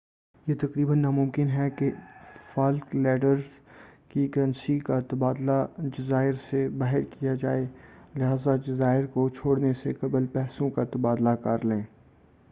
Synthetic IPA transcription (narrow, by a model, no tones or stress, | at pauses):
jet̪ɐqɾiːbənːamʊ̃mkɪnɦɛkefaːlklɛːɖəɾzkiɡɐɾə̃nʃikat̪ɐbaːd̪lad͡ʒɐzaːɪɾsebaːɦɪɾkijad͡ʒaːelɪɦaːzad͡ʒɐzaːɪɾkot͡ʃʰoːɽnesekɐblpɛːsõkat̪ɐbaːd̪lakɐɾlẽː